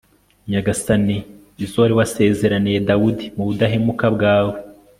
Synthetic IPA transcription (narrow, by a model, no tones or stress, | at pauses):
ɲaɡasani | izowaɾiwase̞ːze̞ɾanijedawudimuβudaɦemukabɡaːwe